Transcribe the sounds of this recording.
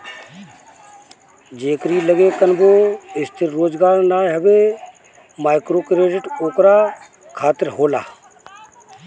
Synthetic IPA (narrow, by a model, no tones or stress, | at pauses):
d͡ʒeːkɾiːləɡeːkənboːɪst̪ʰɪɾɾoːd͡ʒɡaːɾnaːɦɐbeː | maːɪkɾoːkɾeːɖɪʈoːkɾaː | kʰaːt̪ɪɾɦoːla̰ː